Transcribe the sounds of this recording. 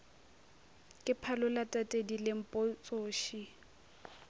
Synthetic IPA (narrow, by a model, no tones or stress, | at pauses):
kʼɪpʰalʊlatʼatʼedilɪm̩pʼot͡sʼoːʃi